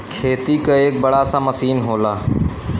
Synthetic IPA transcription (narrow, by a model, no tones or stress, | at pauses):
kʰeːt̪ikeeːk̚bəɽasaməsiːnɦoːlaː